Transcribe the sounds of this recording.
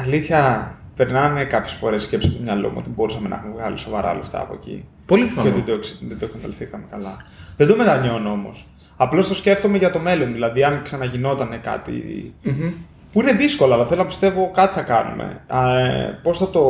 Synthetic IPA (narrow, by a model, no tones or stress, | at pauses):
ɐliθçɐpeɾnɐnekɐpçesfo̞̰ɾe̞sːce̞psi̥st̪umɲɐlo̰mṵo̰t̪ibo̞ɾusɐmenɐ̰xumevɣɐlḭso̞vɐɾɐ̰ɐ̰left̪ɐ̰ːpo̞̰ecḭ | polifot̪id̪oksd̪ed̪oksɐnd̪ɐlist̪ikɐmekɐlɐðed̪o̞met̪ɐɲo̞noo̞mo̰s | ɐplo̞st̪o̞sce̞ft̪o̞me̞ʝɐt̪o̞me̞lo̞nðilɐðiɐnksɐnɐʝino̞t̪ɐne̞kɐ̰t̪ḭ | puine̞ðisko̞loɐlɐθelo̞nɐpist̪e̞vo̞kɐt̪iθɐkɐnṵmḛ | po̞sθɐt̪o̞